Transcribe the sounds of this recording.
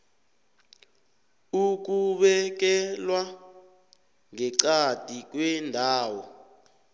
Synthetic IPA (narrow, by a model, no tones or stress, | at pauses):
uk̬uɓɛk̬ɛlwa | ŋɛǀad̥ʱik̬wɛndʱaːwɔ